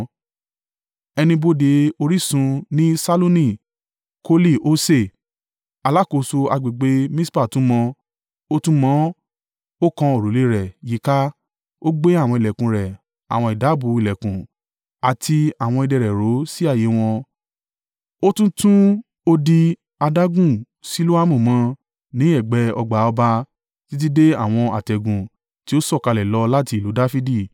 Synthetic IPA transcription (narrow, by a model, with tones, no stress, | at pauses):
ɛ˧nĩ˧bo˧de˧o˧ɾi˦sũ˧nĩ˦sa˦lo˦nĩ˦˨ | ko˧˦li˦˨o˦se˦˨ | a˧la˦˨ko˨˧˨so˧a˧ɡ͡be˨ɡ͡be˧˦mĩ˦spa˦˨tũ˨˦mɔ̃˧ | o˦tũ˦mɔ̃˨˦ | o˦kã˧o˨ɾo˨le˨˦ɾɛ˨ji˨˦ka˦ | o˦ɡ͡be˦a˦˨w̃ɔ̃˧i˨lɛ˨kũ˨ɾɛ˨ | a̰˨w̃ɔ̃˧i˨da˨˦bu˨˦i˨lɛ˨kũ˨ | a˨tʰi˧a˨w̃ɔ̃˧i˧dɛ˧ɾɛ˨ɾo˨˦si˦a˦˨je˨˦w̃ɔ̃˧ | o˦tũ˦tũ˦ | o˦di˧ | a˧da˦ɡũ˦˨ | si˨˦lu˦a˦mũ˦˨mã˨˧˦ | nĩ˨˦ɛ˦˨ɡ͡bɛ˨˦ɔ˧ɡ͡ba˨˦ɔ˧ba˧ | ti˦t̬i˦de˦a˦˨w̃ɔ̃˧a̰˨tɛ˨ɡũ˨ | ti˦o˦sɔ˦˨ka˧lɛ˨lɔ˧la˦ti˧i˨lu˨˦da˦fi˦di˦˨